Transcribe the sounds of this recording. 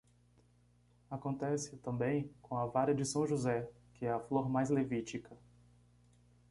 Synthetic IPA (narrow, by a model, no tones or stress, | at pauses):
akõnt̪ɛsɪt̪ɐ̃mbẽj̃kõɐvaɾɐd͡ʒɪsɐ̃w̃ʒuzɛ | kɪɛɐfloɾmajzlevit͡ʃikʰɐ